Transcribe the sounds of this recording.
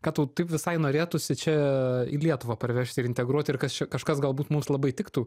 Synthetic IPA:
kɑːt̪uːt̪ɐɪpʋʲɪsɐɪnoːɾʲeːt̪ʊsʲɪt͡ʃʲɛɪlʲiɛt̪ʊʋɑːpɐɾʲʋʲæːʃʲt̪ʲɪɾɪnʲt̪ʲɛɡɾuɔt̪ʲɪrkɐst͡ʃʲɛkɐʃkɐsɡɐlˠbuːt̪mʊmslˠɐbɐɪt̪ʲɪkt̪uː

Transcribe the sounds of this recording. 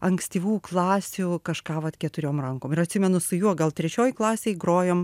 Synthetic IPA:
ɐŋksʲt̪ʲiːʋuːklˠɑːsʲʊkɐʃkɑːʋɐt̪kʲɛt̪ʊɾʲoːmrɐŋkoːmɪɾɐt̪ʲsʲɪmʲɛnʊsʊjuɔɡɐlˠt̪ʲɾʲɛt͡ʃʲoːjklˠɑːsʲeːɪɡroːjoːm

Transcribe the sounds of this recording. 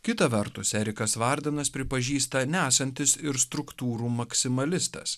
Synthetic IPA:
kʲɪt̪ɐʋʲɛɾt̪ʊsʲɛɾʲɪkɐsʋɐɾʲd̪ʲɪnɐspʲɾʲɪpɐʒʲiːst̪ɐnʲæːsɐnʲt̪ʲɪsɪɾst̪ɾʊkt̪uːɾuːmɐksʲɪmɐlʲɪst̪ɐ̰s

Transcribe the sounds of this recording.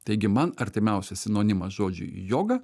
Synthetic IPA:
t̪ɐɪɡʲɪmɐnɐɾʲt̪ʲɪmʲɛʊsʲɛsʲɪnoːnʲɪmɐʒoːd͡ʒʲʊ̰joːɡɐ

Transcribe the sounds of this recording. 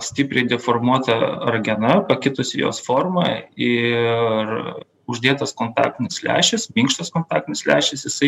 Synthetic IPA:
sʲt̪ʲɪpʲɾʲɛɪd̪ʲɛfoːɾmuɔt̪ɐɐɾɡʲɛnɐpɐkʲɪt̪ʊsʲɪjo̰ːsfoːɾmɐɪ | r | ʊʒʲd̪ʲeːt̪ɐskoːnt̪ɑ̰ːk̚t̪ʲɪnʲɪslʲæ̰ːʃʲɛsmʲiːŋkʃt̪ɐskoːnt̪ɑːk̚t̪ʲɪnʲɪslʲæ̰ːʃʲɛsjɪsɐɪ

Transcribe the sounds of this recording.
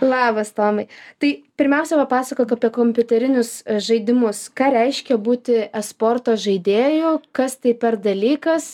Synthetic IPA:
lˠɑːbɐst̪oːmɐɪt̪ɐɪpʲɪɾʲmʲɛʊsʲɛʋɐpɑːsɐkoːkɐpʲiɛkoːmʲpʲʊt̪ʲɛɾʲɪnʲʊsʒɐɪd̪ʲɪmʊskɑːɾʲɛɪʃʲkʲɛbuːt̪ʲɪɛspoːrt̪oːʒɐɪd̪ʲeːjʊkɐst̪ɐɪpʲɛrd̪ɐlʲiːkɐs

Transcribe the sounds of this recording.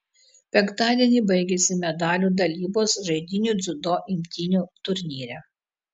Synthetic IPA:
pʲɛŋkt̪ɑːd̪ʲiɛnʲiːˑbɐɪɡʲɛsʲɪmʲɛd̪ɑːlʲud̪ɐlʲiːboːsʒɐɪd̪ʲɪnʲud̪zʊd̪oːʔɪmʲt̪ʲinʲuːt̪ʊɾʲnʲiːɾʲæ

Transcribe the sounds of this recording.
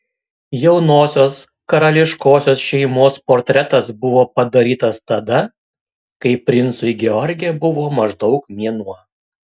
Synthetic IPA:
jɛʊnoːsʲoːs | kɐɾɐlʲɪʃkoːsʲoːsʃʲɛɪmoːspoːɾʲt̪ʲɾʲɛt̪ɐsbʊʋoːpɐd̪ɐɾʲiːt̪ɐst̪ɐd̪ɐ | kɐɪpʲɾʲɪnt̪sʊɪɡʲɛɔɾʲɡʲɪjɛbʊʋoːmɐʒd̪ɒʊk̚mʲiɛnuɔ

